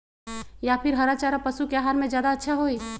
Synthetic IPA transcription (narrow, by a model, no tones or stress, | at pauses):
japʰiɾɦəɾat͡ʃaɾapəsukeaɦaɾmẽd͡ʒjaːd̪aətːʃʰaɦoi